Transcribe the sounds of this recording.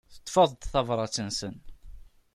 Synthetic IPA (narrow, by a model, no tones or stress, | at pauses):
θə̥t̪ːˤfəðˤd̪θɑvɾˤɑt͡sːənsən